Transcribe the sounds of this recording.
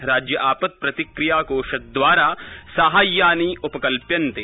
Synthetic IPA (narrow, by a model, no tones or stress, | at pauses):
ɾaːd͡ʒjəʔaːpət̪̚pɾɐt̪ɪkɾɪjaːkoːʃɐt̪̚d̪ʋwaːɾaːsaɦaːjːaːniʊpɐkɐlpjɐnt̪eː